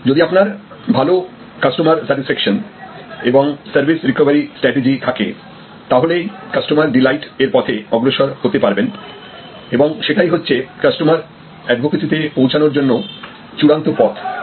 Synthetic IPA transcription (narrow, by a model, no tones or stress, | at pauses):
d͡ʑod̪iapnaɾ | bʱalo | kasʈomaɾsɛʈisfɛkʃoneboŋsaɾbʱisɾikobaɾisʈɾɛʈed͡ʑit̪ʰakḛ | t̪aɦolekasʈomaɾɖilajʈeɾpɔt̪ʰeɔɡɾoʃoɾhot̪epaɾben | eboŋʃeʈajɦotːɕʰekasʈomaɾ | ɛɖbʱokesit̪epowt͡ɕʰanoɾd͡ʑonːo | t͡ɕuɽant̪opɔt̪ʰ